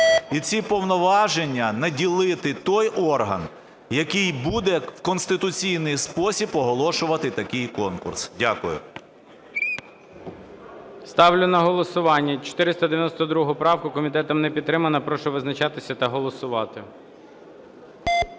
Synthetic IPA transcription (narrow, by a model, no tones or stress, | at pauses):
it͡sʲipɔwnɔʋɑʒe̞nʲːɐnɐdʲilˠɪt̪ɪt̪ɔjʔɔrɦɐ̰n | jɐkɪjbud̪ɛwkɔnst̪ɪt̪ʊt͡sʲijnɪjspɔsʲipɔɦɔlˠɔʃʊʋɐt̪ɪt̪ɐkɪjkɔnkʊ̰rsdʲakʊjʊ̰ | st̪ɑwlʲʊnɐɦɔlˠɔsʊʋɑnʲːɐt͡ʃɔ̥t̪ɪɾɪst̪ɐd̪eʋʲjɐnɔst̪ɔd̪ɾuɦʊpɾɑwkʊkɔmʲit̪ɛt̪ɐmnɛpʲit̪t̪ːɾɪmɐnɐpɾɔʃɛʋɪznɐt͡ʃɑt̪ɪsʲɐt̪ɐɦɔlˠɔsʊʋɑt̪ɪ